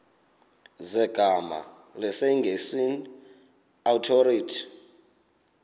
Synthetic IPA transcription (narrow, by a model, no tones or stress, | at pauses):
zɛɡ̥ʱama̰ | lɛsɛŋɡʱesin | awtʰoɾiːtʰi̥